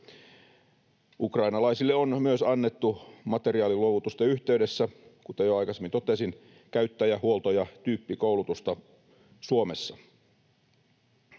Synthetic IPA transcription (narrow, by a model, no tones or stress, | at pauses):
ukrɑjnɑlɑisilːeonmyøsɑnːet̪ːumɑt̪e̞ɾiɑːliluoʋut̪ust̪ɑyht̪eydesːækut̪ɑjoɑjkɑsemint̪ot̪esin | kæyt̪ːæjæhuolt̪ojɑt̪yːpːikoulut̪ust̪ɑ | suomesːɑ